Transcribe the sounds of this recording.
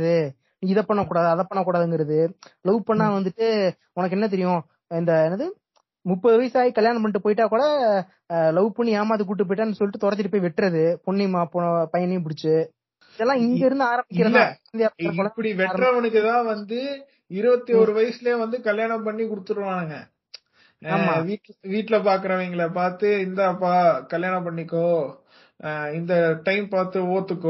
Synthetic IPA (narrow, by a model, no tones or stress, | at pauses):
ðɯ | nĩɪðɐpːɐɳːɐkːuːɽaːðɯɐðɐpːɐɳːɐkːuːɽaːðɯŋɡɪɾɐðɯlɐʋɯpɐɳːãːʋɐnd̪ɯʈːɯ | ʊnɐk̬ːɛnːɐt̪̬ɛɾɪjʊ̃ | ɪnd̪ɐɛnɐðɯ | mʊpːɐðɯʋɐjɐsaːjikɐljaːnɐp̬ɐɳɪʈːɯpoːjɪʈːaːkuːɽɐ | lɐʋɯpʊɳːiaːmaːt̪ik̬uːʈ̬ːɯp̬oːjɪʈːaːnːɯsɔlːɪʈːɯt̪ɔɾɐt̪̬ːɪʈɪpːoːjʋɛʈːɾɐðɯpɔɳːimaːpɔpɐjɐnep̬ʊɽɪt͡ʃːɯ | ɪðɛlːãːɪŋɡɐɪɾɯnd̪ɯaːɾɐmbɪkkːɪɾɐðɐnd̪ɐjaːɾɐɔlɐpːɐɽiʋɛɾɐɾɐʋɐnɯkːɯt̪ãːʋɐnd̪ɯ | ɪɾɯʋɐt̪ːioːɾɯʋɐjɐsɪleːʋɐnd̪ɯkɐljaːɳɐp̬ɐɳːikʊɽɯt̪ːɯːɯʋãːnɯŋɡɐ | aːmaʋiːʈːʋiːʈːɪlɐpaːɾk̬ɯɾɐ̃eŋɡɐɭɐpaːɾt̪ɯɪnd̪ɐːpːaːkɐljaːnɐpːɐɳːɪkːõ | ɪnd̪ɐʈɐɪmpaːɾt̪ɯoːt̪ːɯkːõ